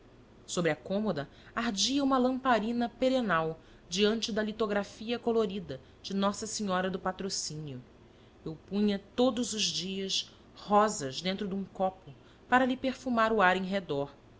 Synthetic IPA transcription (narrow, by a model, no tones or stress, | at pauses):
sobɾɪɐkõmod̪ɐ | aɾd͡ʒiɐũmɐlɐ̃mpaɾĩnɐpeɾenaw | d͡ʒiɐ̃nt͡ʃɪd̪ɐlit̪oɡɾafiɐkoloɾid̪ɐ | d͡ʒɪnɔsɐsiɲɔɾɐd̪ʊpat̪ɾosĩniʊ | ewpũɲɐt̪od̪ʊzʊʒd͡ʒiɐs | hɔzɐzd̪ẽnt̪ɾʊd̪ũŋkɔpʊ | paɾɐlɪpeɾfumaɾʊaɾẽj̃ɦed̪ɔɾ